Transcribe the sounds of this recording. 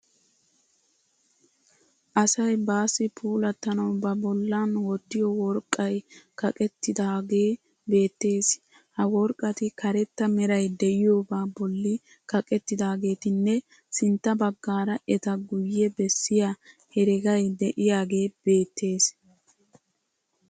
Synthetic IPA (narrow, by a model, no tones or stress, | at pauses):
ʔɐsɐjbaːsɪpʰuːlɐt̪ːɐnɐwbɐbɔlːanwɔt̪ːɪjɔwɔɾkʼːɐjkɐkʼɛt̪ːɪd̪aːɡe̞ː | be̞ːt̪ːe̞ːs | hɐwɔɾkʼːɐt̪ɪkɐɾɛt̪ːɐmɛɾɐjd̪ɛʔɪjo̞ːbaːbɔlːɪ | kɐkʼɛt̪ːɪd̪aːɡe̞ːt̪ɪnːɛ | sɪnt̪ːɐbɐɡːaːɾɐʔɛt̪ɐɡʊjːɛbɛsːɪjahɛɾɪɡɐjd̪ɛʔɪjaːɡe̞ːb̥e̞ːt̪ːe̞ːs